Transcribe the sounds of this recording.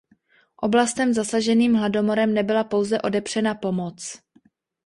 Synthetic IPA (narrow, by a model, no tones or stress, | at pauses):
ʔo̞blast̪ɛmzasaʒɛniːmɦlado̞mo̞ɾɛmnɛbɪlapo̞wzɛʔo̞dɛpr̝̥ɛnapo̞mot͡s